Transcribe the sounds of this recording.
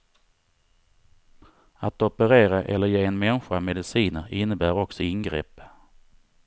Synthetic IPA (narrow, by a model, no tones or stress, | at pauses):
at̪ɔpəɾeːɾaʔɛ̰lːəɾjeːɛnmɛnɧamɛd̪ɪsiːnəɾɪnːəbæːɾɔksɔɪnɡɾḛːpː